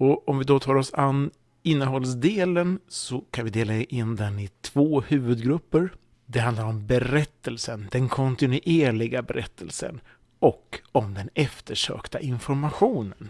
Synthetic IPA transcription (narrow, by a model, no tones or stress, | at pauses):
ɔɔmvɪd̪ɔt̪ʰɑːɾɔsanː | ɪnːəɦɔlːsd̪eːlənsɔkʰanvɪd̪eːlaʔɪnd̪ɛnɪt̪ʰv̥oːhʉ̟ːvɵd̪ɡɾɵpːəɾ | d̪ɛhand̪laɾɔmbɛɾɛt̪ːəlsənd̪ɛnkʰɔnt̪ɪnʉʔeːɭɪɡabɛɾʔɛt̪ʰːəlsə̰n | ɔkːɔmd̪ɛnɛft̪ʰəʂø̰ːkt̪ʰaʔɪnfɔɾmaɧuːnən